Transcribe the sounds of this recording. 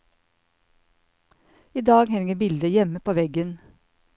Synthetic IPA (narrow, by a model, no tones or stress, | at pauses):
iːd̪ɑːɡhæːɾɪŋəbɪld̪əjɛməpʰoːʋɛɡən